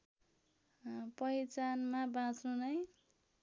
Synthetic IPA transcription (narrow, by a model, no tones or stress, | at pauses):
pʌjt͡sanmabãt͡snunʌj